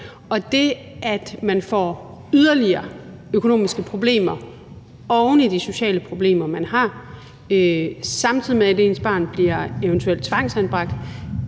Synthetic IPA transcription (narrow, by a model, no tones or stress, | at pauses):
ɒ̽d̥e̝ | ʔæd̥mænfɒ̰ːyðˠɐliɐːøkʰo̝no̝̰ːmisɡ̥əpʰʁo̝b̥le̝̰ːmɐ | ɒʊnəd̥iso̝ɕɛ̰ːləpʰʁo̝b̥le̝̰ːmɐmænɦɑ̈ | øsɑ̈mt͡sʰið̰ˠimeæɾe̝ːnsb̥ɑ̰̈ːnb̥liɐe̝ənt͡sʰuel̰d̥̚t͡sʰʋɑ̈ŋ̰sænb̥ʁɑ̈ɡ̥̚d̥